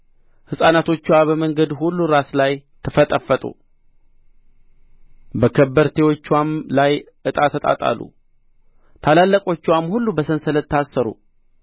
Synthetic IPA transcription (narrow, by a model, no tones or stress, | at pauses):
hɨsʼanat̪ʰo̞t͡ʃːwabəməŋɡəd̪ɦulːuɾaslajt̪ʰəfət̪ʼəfːət̪ʼṵ | bəkʰəbːəɾt̪ʰe̞wo̞t͡ʃːwamlaj | ʔɨt̪ʼat̪ʰːət̪ʼa̰t̪ʼa̰lːṵ | t̪ʰalalːəkʼo̞t͡ʃːwamhulːubəsənsələt̪ːasːəɾṵ